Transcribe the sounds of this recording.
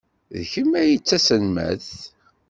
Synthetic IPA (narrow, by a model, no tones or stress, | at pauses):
ðəçəmːæjət͡sːæsənmæ̰θ